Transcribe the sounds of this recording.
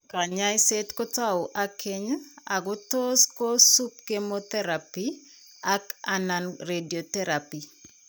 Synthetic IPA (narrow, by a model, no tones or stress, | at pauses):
kaɲajsetkɔtawʔakʰeɲaɡʊtoskosup̚kemot̪ɛɾapi | akananɾediot̪ɛɾapi